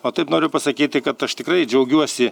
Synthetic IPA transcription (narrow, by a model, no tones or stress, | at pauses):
oːt̪ɐɪpnoːɾʲʊpɐsɐkʲiːt̪ʲɪkɐt̪ɐʃt̪ʲɪkɾɐɪd͡ʒʲɛʊɡʲuɔsʲɪ